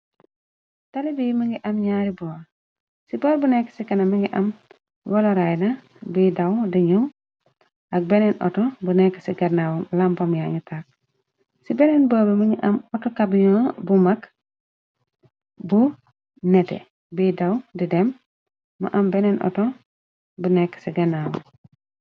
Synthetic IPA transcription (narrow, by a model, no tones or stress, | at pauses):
talibijmiŋɡiʔɐmɲaːɾibɔːɾ | sibɔːɾbunekːe̥sikɐnɐmiŋɡiʔɐm | waloɾajna | bidawdiɲu | ak̚benenɔ̰tobunekːesiɡaɾnawmlampomjaɲitʰak̚ | sibenenboːbemuɲiʔɐmɔtokabiɲobumak | bu | netḛ | bidawdidemː | ṵʔɐmbenenʔɔ̰to | bunɛkːsiɡɐnawu